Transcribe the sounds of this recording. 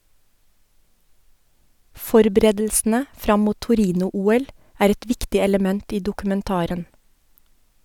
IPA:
ˈfɔɾbɾeːdl̩sn̩ə ˈfɾɑm ˈmuː tʊˈɾiːnʊˌuːɛl ˈæːɾ ˈɛt ˈʋɪktɪ ɛləˈmɛnt ˈiː dʊkʉmɛnˈtɑːɾən

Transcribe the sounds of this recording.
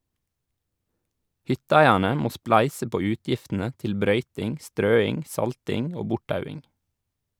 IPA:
ˈhʏtəˌæɪæɳə ˈmoː ˈsplæɪsə ˈpoː ˈʉːtjɪftənə ˈtɪl ˈbɾœʏtɪŋ ˈstɾøːɪŋ ˈsɑltɪŋ ˈoː ˈbʊʈˌtɑʉɪŋ

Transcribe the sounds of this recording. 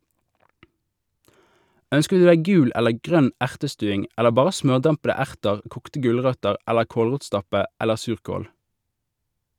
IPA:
ˈœnskə ˈdʉː ˈdæɪ ˈɡʉːl ˈɛləʁ ˈɡʁœn ˈæʁtəˌstʉːɪŋ ˈɛləʁ ˈbɑːʁə ˈsmœʁˌdɑmpədə ˈæʁtəʁ ˈkuːktə ˈɡʉlˌʁœtəʁ ˈɛləʁ ˈkoːlˌʁuːtˌstɑpə ˈɛləʁ ˈsʉːʁkoːl

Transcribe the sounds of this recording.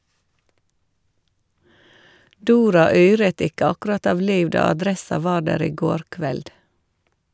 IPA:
ˈduːɾɑ ˈyːɹət ˈɪkə ˈɑkʉɾɑt ˈɑʋ ˈliːʋ ˈdɑː ɑˈdɾɛsɑ ˈʋɑː ˈɖæːɾ ˈiː ˈɡoːɾ ˈkʋɛld

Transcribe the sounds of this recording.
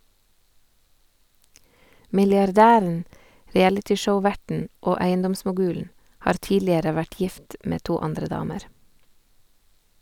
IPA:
mɪlɪɑɾˈdæːɾn̩ ɾɪˈælɪtɪˌʃəʊˌʋæʈɳ̩ ˈoː ˈæɪənˌdɔmsmʊˌɡʉːln̩ ˈhɑːɾ ˈtiːlɪəɾə ˈʋæʈ ˈjɪft ˈmeː ˈtuː ˈɑndɾə ˈdɑːməɾ

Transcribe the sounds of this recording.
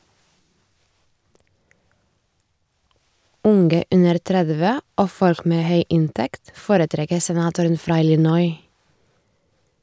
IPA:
ˈʊŋɡə ˈʉnəɾ ˈtɾɛðʋə ˈoː ˈfɔɾk ˈmeː ˈhœʏ ˈɪntɛkt ˈfoːɾəˌtɾɛkə sɛˈnɑːtʊɾən ˈfɾɑː ˈɪlɪnɔʏ

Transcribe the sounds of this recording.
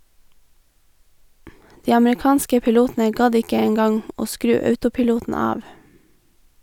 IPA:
ˈdiː ɑmɹɪˈkɑːnskə pɪˈluːtn̩ə ˈɡɑd ˈɪkə ˈeːŋ ˈɡɑŋ ˈoː ˈskɾʉː ˈœʉtʊpɪˌluːtn̩ ˈɑːʋ

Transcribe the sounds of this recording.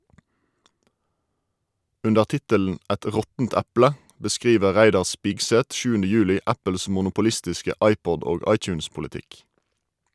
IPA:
ˈʉndəʁ ˈtɪtəln̩ ˈɛt ˈʁɔtn̩t ˈæplə bəˈskʁiːʋə ˈʁæɪdɑʁ ˈspɪɡˌsɛt ˈʃʉːəndə ˈjʉːlɪ ˈæpəls mʊnʊpʊˈlɪstɪskə ˈɑɪˌpɔd ˈoːɡ ˈɑɪˌt͡ʃʉːnspʊlɪˌtɪk

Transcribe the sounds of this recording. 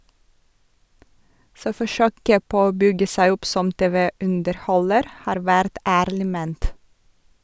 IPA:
ˈsoː fɔˈʃøːkə ˈpoː ˈoː ˈbʏɡə ˈsæɪ ˈʊp ˈsɔm ˈteːʋəʉndəɾˌhɔləɾ ˈhɑːɾ ˈʋæɾt ˈæːɾlɪ ˈmeːnt

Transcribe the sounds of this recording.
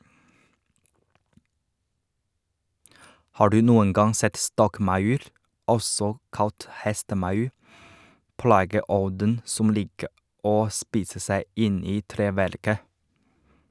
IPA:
ˈhɑː ˈɖʉː ˈnuːən ˈɡɑŋ ˈsɛt ˈstɔkˌmɑʉɾ ˈɔsɔ ˈkɑlt ˈhɛstəˌmɑʉ ˈplɑːɡəˌɔdən ˈsʊm ˈliːkə ˈoː ˈspiːsə ˈsæɪ ˈʔɪn ˈiː ˈtɾeːʋæɾkə

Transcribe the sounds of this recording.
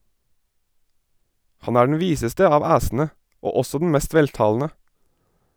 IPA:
ˈhɑn ˈæː ɖɳ̩ ˈʋiːsəstə ˈɑːʋ ˈæːsn̩ə ˈoː ˈɔsɔ dn̩ ˈmɛst ˈʋɛltɑːln̩ə

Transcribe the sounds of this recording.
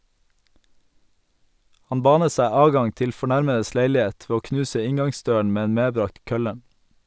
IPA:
ˈhɑn ˈbɑːnə ˈsæɪ ˈɑːdˌɡɑŋ ˈtɪl fɔˈɳæɾməəs ˈleɪlɪˌeːt ˈʋeː ˈoː ˈknʉːsə ˈɪŋɡɑŋˌsdøːəɳ ˈmeː ˈeːn ˈmeːˌbɾɑːkt ˈkœlə

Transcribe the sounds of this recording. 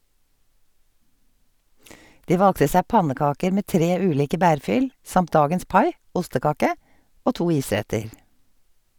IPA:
ˈdiː ˈʋɑlɡtə ˈsæː ˈpɑnəˌkɑːkəɾ ˈmeː ˈtɾeː ˈʉːˌliːkə ˈbæːɹˌfʏl ˈsɑmt ˈdɑːɡəns ˈpɑɪ ˈʔʊstəˌkɑːkə ˈoː ˈtuː ˈiːˌsɾɛtəɹ

